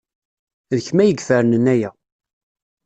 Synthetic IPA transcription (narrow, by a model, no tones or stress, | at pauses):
ðəçmæjəɡfəɾənənæjæ